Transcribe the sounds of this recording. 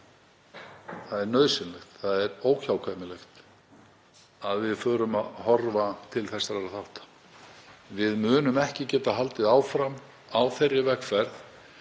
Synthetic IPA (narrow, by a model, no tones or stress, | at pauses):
θaðɛɾnœðsɪnlɛxt̪θaðɛɾoːwçawkʰamɪlext̪ | aðvɪðfœːɾʏmaðhɔɾvat̪ʰɪlθɛsːaɾɛɾaθaht̪ḁ | vɪðmʏːnʏmɛhcɪcɛːt̪aɦalt̪ɪðaːwfɾam | awθɛɾːɪvɛkfɛɾθ